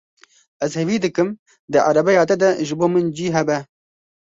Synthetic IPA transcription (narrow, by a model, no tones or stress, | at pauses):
ɛzhɛviːd̪ɨkɨm | d̪ɨʕa̰ɾɐbɛjɑːt̪ɛd̪ɐʒɨboːmɨnd͡ʒiːɦɛbɛ